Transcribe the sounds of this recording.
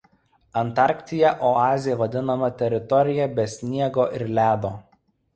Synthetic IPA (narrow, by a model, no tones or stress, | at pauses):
ɐnt̪ɑˑɾʲkʲt̪ʲɪjɛʔoɑːzʲɪjɛʋɐd̪ʲɪnɐmɐt̪ʲɛɾʲɪt̪ɔɾʲɪjɛbʲɛsʲnʲiɛɡoːʔɪɾlʲæːd̪oː